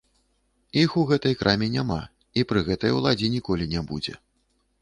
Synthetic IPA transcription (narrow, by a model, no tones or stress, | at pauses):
ixuɣɛt̪ɐjkɾʔamʲɛnʲama̰ | ipɾɨɣɛt̪ɐjwlˠad͡zʲinʲikɔlʲinʲɛbṵd͡zʲɛ̰